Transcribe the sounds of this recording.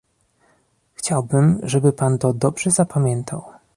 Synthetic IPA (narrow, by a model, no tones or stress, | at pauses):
xt͡ɕawbɘmʐɛbɘpant̪ɔd̪ɔbʐɛzapʰamʲjɛnt̪ʰa̰w